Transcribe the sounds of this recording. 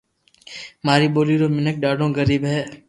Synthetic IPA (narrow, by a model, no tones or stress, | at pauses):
maːɾiːɓoːliːɾoːmɪnək̚ɖaːɖõːɡəɾiːbɦɛː